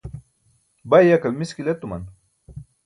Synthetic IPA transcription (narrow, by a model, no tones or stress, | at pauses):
bajɐkɐlmiskilet̪umɐ̰n